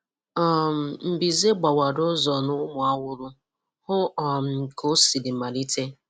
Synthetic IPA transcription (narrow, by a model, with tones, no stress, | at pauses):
ɔ˨m̩˨m̩˨bi˨ze˦ɡ͡ba˨wa˨dʊ˦zɔ˨nʊ˦mʊ˨a˦wʊ˦ɾʊ˦ | hʊ˦˨m̩˨kʰo˦si˨li˨ma˨ɾi˦tʰe˦